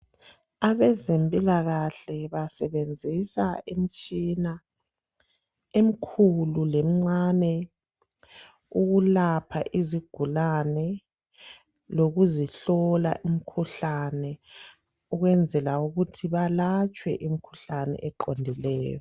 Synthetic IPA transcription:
aβɛzempʼilaɣaɬɛβasɛβend͡zʱisaem̩t͡ʃʼina | em̩kʰululem̩ŋ͡ǀanɛ | uɣulapʰaʔiziɡ̥ʱulanɛ | loɣuziɬɔla̰ʔimikʰuɬanɛ | uɣwɛnd͡zʱɛlauɣutʰiβalat͡ʃʼwɛ̰ʔimikʰu̥ɬanɛ̰ʔɛǃondʱilɛ̰ːjɔ

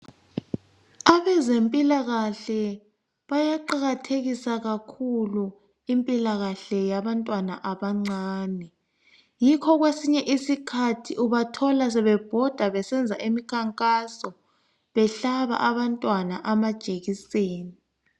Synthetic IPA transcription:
aβɛzempʼilaɣaɬɛ | βajaǃaɣatʰeɣisaɣakʰulu | impʼilaɣaɬɛjaβantʼwana̰ʔaβaŋ͡ǀaːnɛ | jikʰɔɣwesiɲɛʔisikʰatʰiʔuβatʰɔlas̬ɛβɛb̥ʱɔd̥ʱaβɛsɛnd͡zʱaʔemikʰaŋkʼasɔ | βɛɬaβa̰ʔaβantʼwanaʔamad̥ʒ̥ʱeɣiseːni

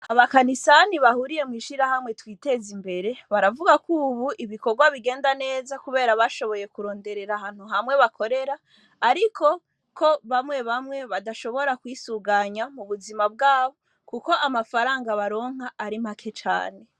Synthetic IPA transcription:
aβakanisaniβahuɾije̞mŋiːʃiɾahamŋe̞twiːte̞zimbe̞ɾe̞βaɾavuɡakuːβuʔiβiko̞ɾɡwaβiɡe̞ːndane̞ːzakuβe̞ːɾaβaʃo̞βo̞je̞kuɾo̞ːnde̞ɾe̞ɾaɦaːn̥huɦamwe̞βakʰo̞ɾe̞ɾaː | ɾikʰo̞ | kʰoβamŋe̞βamŋe̞βadaʃo̞βo̞ɾakwiːsuɡaɲamuβuzimab̚ɡaːβo̞ | kuko̞ʔamafaɾaːŋɡaβaɾo̞ːŋ̥aʔːɾimakʰe̞t͡ʃa̰ːne̞

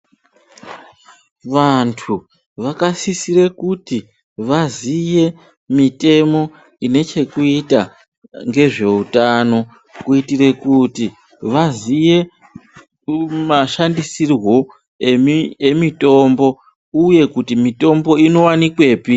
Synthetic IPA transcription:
ʋantʰu | ʋakasisiɾe̞kuti | ʋazije̞ | mite̞mo̞ | ine̞t͡ʃe̞kuita | ŋɡe̞ʐe̞utano̞ | kuitire̞kuti | ʋazije̞ | maʃandisirwo̞ | eemito̞mbo̞ | uje̞kutimito̞mbo̞ino̞wanikwe̞ːpi

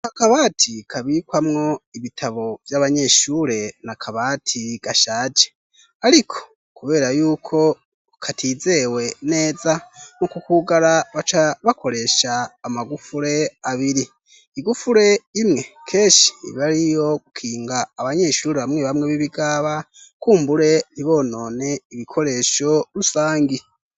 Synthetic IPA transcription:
akaβatʰikʰaβikwamŋo̞iβitʰaβo̞vjaβaɲe̞ʃuːɾe̞nakʰaβatʰiɡ̥aʃaːd͡ʒe̥ | aɾikʰo̞̥ | kuβe̞ːɾajuːkʰo̞ | kʰatʰiːze̞wene̞ːzaŋokukuɡaɾaβat͡ʃaβakʰo̞ɾe̞ʃaːmaɡufuɾe̞aβiɾi | iɡufuɾe̞imŋe̞kʰe̞ːʃi̥iiβaɾijo̞ɡukʰiːŋɡaːβaɲe̞ːʃuːɾiβamŋeβamŋeβiβiɡaβa | kuːmbuɾe̞niβo̞no̞ːne̞iβikʰo̞ɾe̞ʃo̞ɾusaːŋɡi

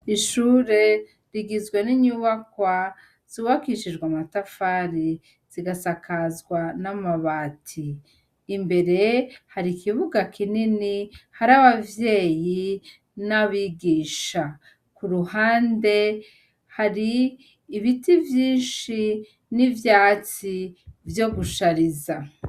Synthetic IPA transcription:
iʃuːɾe̞ | ɾiɡizɡweniɲuːβakwa | z̥iβakiʃiʒɡwamatafaːɾi | z̥iɡasakazɡwanamaβaːtʰiː | mbe̞ɾe̞haɾikiβuɡakʰininihaɾaβavje̞ːji | naβiɡiːʃa | kuɾuhaːnde̞ | haɾiː | βitivjiːnʃi | nivjaːt͡sivjo̞ɡuʃaɾiza

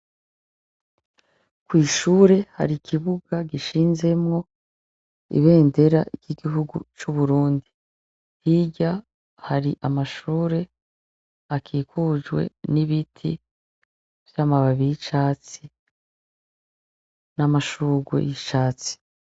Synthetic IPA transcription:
kwiːʃuːɾe̞ha̰ɾikʰiβuɡaɡiʃiːnze̞mŋo̞ | ḭβe̞ːnde̞ɾaiɟ̥iɡiɦuɡut͡ʃuβuɾuːndi | hiɟa | haɾiʔamaʃuːɾe̞ | akʰiːkud͡ʒɡwe̞̰niβitʰḭ | v̥jamaβaβijiʃaːt͡si | namaʃuːɡwḛjiʃaːt͡si̥

